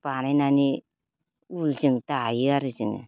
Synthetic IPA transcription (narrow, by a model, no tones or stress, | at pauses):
pananani | ulsiŋt̪ajiaɾisiŋḛ